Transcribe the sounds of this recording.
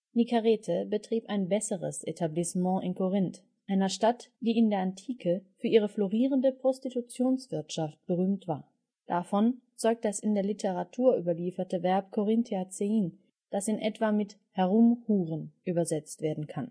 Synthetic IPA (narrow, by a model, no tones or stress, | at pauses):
nikaʁeːtʰəbətʁ̥iːpaɪnbɛsəʁəsʔetʰablismɑ̃ʔɪnkʰoʁɪnt | ʔaɪnɐʃtatd̥iːɪndeːɐantʰiːkʰəfyːɐʔiːʁ̞əfloʁiːʁəndəpʁ̥ɔstitut͡sjoːnsv̥ɪɐtʃaft̚b̥əʁyːmtv̥a̰ːɐ | d̥afɔnt͡sɔʏk̚t̚d̥asɪndeːɐlitʰəʁatʰuːɐʔyːbɐliːfɐtəvɛɐp̚kʰoʁɪntʰiat͡seiːn | d̥asɪnʔɛtv̥amɪt | hɛʁʊmhuːʁənʔyːbɐzɛt͡stv̥eːɐdn̩kʰan